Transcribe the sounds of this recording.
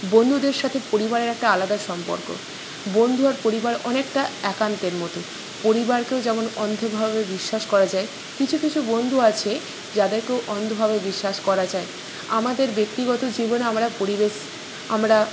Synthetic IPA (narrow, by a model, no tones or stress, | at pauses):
bond̪ʱud̪eɾʃat̪ʰepoɾibaɾeɾɛk̚ʈaalad̪aʃɔmpo̰ɾko̰ | bond̪ʱuaɾpoɾibaɾɔnekʈaɛkant̪eɾmɔt̪o | poɾibaɾkeod͡ʑɛmonɔnd̪ʱobʱaβebiʃːaʃkɔɾad͡ʑae | kit͡ɕʰukit͡ɕʰubond̪ʱuat͡ɕʰe | d͡ʑad̪eɾkeoʔɔnd̪ʱobʱaβebiʃːaʃkɔɾad͡ʑae | amad̪eɾbek̚t̪iɡɔt̪od͡ʑibonamɾapoɾibeʃ | amɾa